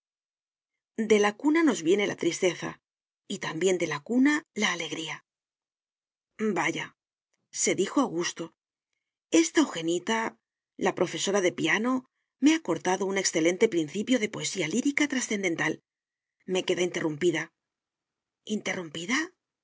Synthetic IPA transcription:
d̪e̞lakunano̞zβje̞ne̞lʔa̰t̪ɾist̪e̞θa̰ | it̪ambje̞nd̪e̞lakunalaːle̞ɣɾia | baʝa | se̞ðixo̞aɣust̪o̞ | e̞st̪aoxe̞nit̪a | lapɾo̞fe̞so̞ɾaðe̞piano̞ | me̞ako̞ɾt̪aðo̞une̞ksθe̞le̞nt̪e̞pɾin̟θipjo̞ðe̞po̞e̞sialiɾikat̪ɾasθe̞nd̪e̞nt̪al | me̞ke̞ðaint̪e̞rumpiða | int̪e̞rumpiða

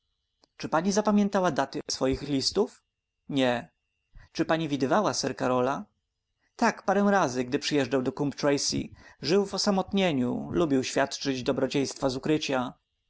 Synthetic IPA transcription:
t͡ʂɘpaɲizapamʲjɛ̃nt̪awad̪at̪ɘsfɔjixlʲist̪uf | ɲɛ | t͡ʂɘpaɲivʲid̪ɘvawasɛɾkaɾɔla | t̪akpaɾɛ̃w̃ɾazɘɡd̪ɘpʂɘjɛʐd͡ʐawd̪ɔkumpt̪ɾɛjsḭʐɘwvɔsamɔt̪ɲeɲṵlubʲiwɕfʲjat̪t͡ʂɘd͡ʑd̪ɔbɾɔt͡ɕej̃st̪fazukɾɘt͡ɕa

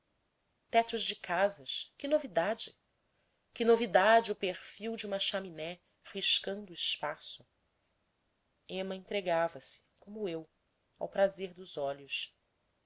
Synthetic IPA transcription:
t̪ɛt̪ʊzd͡ʒɪkazɐʃkɪnovid̪ad͡ʒɪ | kɪnovid̪ad͡ʒiʊpeɾfiwd͡ʒiũmɐʃaminɛ | hiʃkɐ̃nd̪ʊːiʃpasʊ | ẽmɐẽnt̪ɾeɡavɐsɪ̥kõmʊew | awpɾazeɾd̪ʊzɔʎʊs

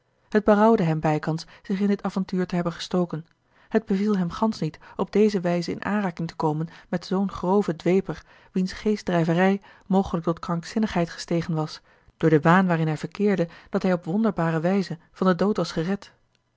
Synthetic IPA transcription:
həd̚bərɑwdəɦɛmbɛjkɑnsz̥ɪχɪndɪtaːvɑntyːɹtəɦɛbənχə̥stowkən | ɦəd̚bəvilˠɦɛmχɑnsnitɔb̚dejzəʋɛjzəɪ̰nʔa̰ːnraːkɪŋtə̥kowmənmɛtz̥ownχrowvədʋejpəɹ | ʋinsχejsdrɛjvərɛj | mowχələk̚tɔtkrɑŋksɪnəχɦɛjtχə̥stejχənʋɑs | d̥ʊːɹdəʋaːnʋaːrɪnɦɛjvəɹkɪːɹdəd̥ɑtɦɛjɔpʋɔndəɹbaːɾəʋɛjzə | v̥ɑndədowtʋɑsχərɛt

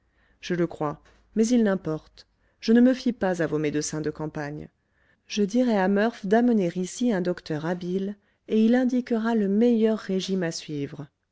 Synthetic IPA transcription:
ʒ̥ələkχwa | mɛzilnɛ̃pɔʁt̪ | ʒ̥ənəməfipazavomed̪əsɛ̃d̪əkɑ̃paɲ | ʒ̥əd̪iʁɛamœʁfd̪aməneʁisiɛ̃d̪ɔkt̪ʰœʁabil | eilɛ̃d̪ikəʁaləmejœʁːeʒimasɥivʁə

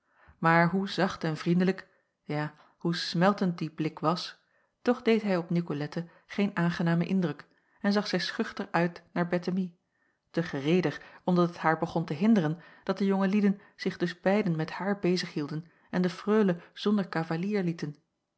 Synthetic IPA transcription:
maːɹɦuzɑχtɛnvrindələk | jaː | husmɛlˠtənt̚diblɪkʋɑs | tɔχdejtɦɛjɔpnikolɛtə | χejnaːnχənaːməʔɪndrɵk | ɛnzɑχsɛjsχʏχtəχʔœɥtnaːɹbɛtəmi | təχərejdəχɔmdɑtətɦaːɹbəχɔntəɦɪndəʁənd̥ɑt̚dəjoŋəlidən | z̥ɪχdɵzbɛjdənmɛthaːɹbejzəχhilˠdən | ʔɛndəfrøːləz̥ɔndəɹkavaliːɹlitən

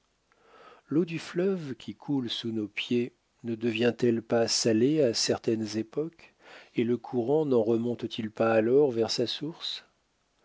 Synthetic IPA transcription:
lod̪yflœvkʲʰikʰulsunopje | nəd̪əvjɛ̃t̪ɛlpasaleasɛʁt̪ɛnzepɔk | eləkʰuʁɑ̃nɑ̃ʁəmɔ̃t̪t̪ʰilpaːlɔʁvɛʁsasuʁs

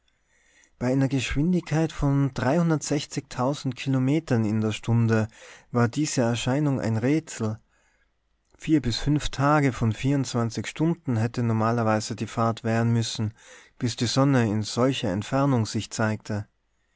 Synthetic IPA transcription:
b̥aɪʔaɪnɐɡəʃv̥ɪndɪçkʰaɪtfɔndʁaɪhʊndɐtz̥ɛçt͡sɪçtʰaʊzn̩tkʰilomeːtɐnɪndeːɐʃtʰʊndəvaːɐdiːz̥əɛɐʃaɪnʊŋʔa̰ɪnʁeːt͡sl̩ | fiːɐbɪsfʏnftʰaːɡəfɔnfiːɐʊntt͡sv̥ant͡sɪçʃtʊndn̩ɦɛtənɔɐmaːlɐvaɪz̥ədiːfaɐtv̥ɛːʁənmʏsn̩b̥ɪsd̥iːzɔnəɪnz̥ɔlçɐɛ̰ntfɛɐnʊŋz̥ɪçt͡saɪk̚tʰə

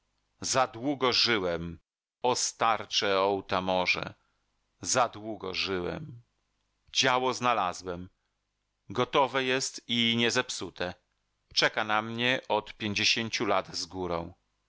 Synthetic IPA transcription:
zad̪wuɡɔʐɘwɛm | ɔst̪aɾt͡ʂɛɔwt̪amɔʐɛ̰ | zad̪wuɡɔ̰ʐɘwɛ̰m | d͡ʑawɔznalazwɛm | ɡɔt̪ɔvɛjɛst̪iɲɛzɛpsut̪ɛ | t͡ʂɛkanamɲɛʔɔt̪pʲjeɲd͡ʑeɕeɲt͡ɕulad̪zɡuɾɔ̰̃w̃

